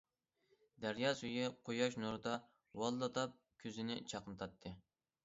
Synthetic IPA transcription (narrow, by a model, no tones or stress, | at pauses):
d̪æɾjɑsyjyqʰojɑʃ̬nuɾd̪ɑ | wɑlˠːɑt̪ɑp̚ | kʲʰøzɪnɪt͡ʃʰɑqənɨt̪ʰɑt̪ʰːɨ